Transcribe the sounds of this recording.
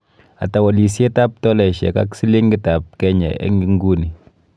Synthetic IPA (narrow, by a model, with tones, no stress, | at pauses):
a̰˨ta˨wɔ˨li˨se˦ta˦p̚tɔ˦lɛ˨ʃɛ̰˨ka̰˦ksi˦le˦ŋɡɪ˦ta˨p̚kɛ˦ɲɛ̰˨ḛ˦ŋɡi˦ŋ˦ɡu˦ni˨